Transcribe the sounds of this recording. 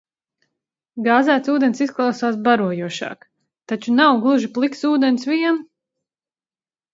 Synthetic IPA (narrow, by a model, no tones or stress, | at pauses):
ɡaːzæːt̪suːd̪ensisklˠawsaːsbaɾuɔjuɔʃa̰ːk | t̪at͡ʃunawɡlˠuʒiplˠiksuːd̪ensviɛn